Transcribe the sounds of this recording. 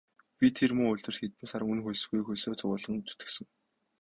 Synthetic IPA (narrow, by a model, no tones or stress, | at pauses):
pʲit̪ʰermɵŋʊɮt̪ɵ̆rt̪xet̪ɘ̆nsaɾə̆ŋunxʊjsɘ̆ɣɡujxʊjsoːt͡sʰʊʁʊːɮə̆ŋt͡sɵ̥t̪ɘ̥̆ksɘ̆ŋ